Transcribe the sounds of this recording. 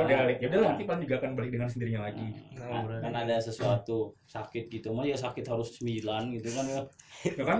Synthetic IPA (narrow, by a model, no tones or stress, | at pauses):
dalɛkjaudalanant̪ipalŋd͡ʒuɡaːkanbalɪk̚dəŋansəndiɾiɲalaɡialauɾakanadasəsuat̪usakɪt̪̚ɡit̪umajasakɪt̪ɦaɾʊssəmilanɡit̪ukanajakan